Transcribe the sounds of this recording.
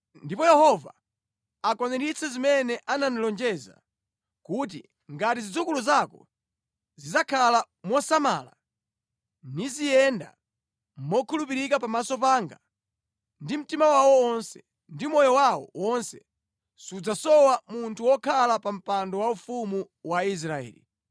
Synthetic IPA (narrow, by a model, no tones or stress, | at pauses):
ndipɔjɛhɔva̰ː | kɔnɛɾit͡sʰɛzimɛnɛʔananilɔnd͡ʒɛza̰ | kut̬ḭ | ŋɡat̬izid͡zukuluzakɔ | zizakʰala | mwɔsama̰ːla̰ | nizijɛnda̰ | mmɔkʰulupiɾikapamasɔpaːŋɡa | ndim̩timawawɔwɔnsɛ | ndimɔjɔwawɔ̰wɔnsɛ | sud͡zasɔwamuntʰuwɔkʰalapam̩pandɔwaufumu | wais̬ɾaɛ̰ːlḭ